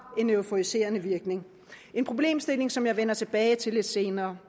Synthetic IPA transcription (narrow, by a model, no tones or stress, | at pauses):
e̝nøʊfoise̝̰ːɐnəʋiɐɡ̥ne̝ŋ | e̝npʰʁo̝b̥le̝̰ːmsd̥e̝le̝ŋsɒ̽mjɑ̈ɪʋenɐt͡sʰe̝b̥ɛːɪt͡sʰe̝le̝d̥se̝ːnɐː